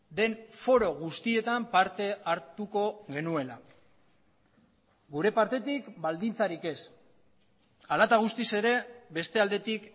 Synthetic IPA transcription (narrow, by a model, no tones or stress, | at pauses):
d̪e̞nfo̞ɾo̞ɣ̞ust̪ie̞t̪ampaɾt̪e̞aɾt̪uko̞ɣe̞nue̞la | ɡuɾe̞paɾt̪e̞t̪ikbald̪int͡saɾike̞s | alat̪aɣ̞ust̪ise̞ɾe̞be̞st̪e̞ald̪e̞t̪ik